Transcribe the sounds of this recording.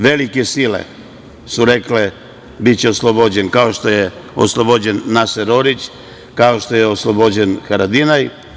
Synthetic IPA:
ʋe̞likesilḛ | suɾekle | bit̪t͡ɕeoslˠobod͡ʑenkaoʃt̪o̞jeo̰slˠobod͡ʑenːaseɾoɾit͡ɕ | kaoʃt̪o̞jeoslˠobod͡ʑenxaɾad̪inaj

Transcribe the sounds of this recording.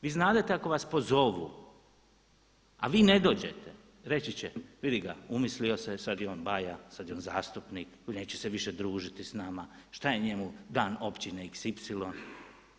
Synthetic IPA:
ʋiːznaːd̪at̪eako̞ʋaspo̞zo̞ʋṵ | aʋiːne̞d̪o̞ːd͡ʑe̞t̪e | ɾe̞t͡ɕit͡ɕeʋid̪iɡaumislio̞sesad̪io̞ːnbajasad̪ionzaːst̪upnikone̞ːt͡ɕeseʋiʃed̪ɾuːʒit̪isnamaʃt̪aje̞ɲe̞mud̪aːno̞pt͡ɕineiksipsilo̞n

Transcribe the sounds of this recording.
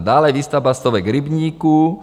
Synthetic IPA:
d̪aːlɛjʋist̪abast̪ɔʋɛɡɾibɲiːku

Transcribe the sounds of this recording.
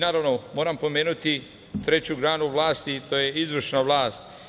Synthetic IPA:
naːɾaʋnomo̞ːɾampo̞me̞ːnut̪i | t̪ɾe̞t͡ɕuɡɾaːnuʋlaːst̪it̪ojeizʋr̩ʃnaʋlaːst̪

